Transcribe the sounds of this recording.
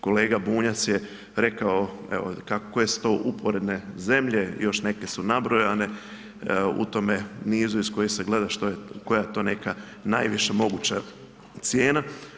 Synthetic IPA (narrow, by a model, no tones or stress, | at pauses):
ko̞le̞ːɡabuːɲat̪sje | ɾe̞kao | ḛʋo̰kakojest̪oʔupoɾed̪neze̞mʎejo̞ʃne̞ke̞sunabɾojane̞ | ṵt̪o̞me̞niːzuisko̞jiseɡle̞d̪aʃt̪ojeko̞jajet̪o̞ːne̞ka | najʋiʃamo̞ɡuːt͡ɕa | t̪sjeːna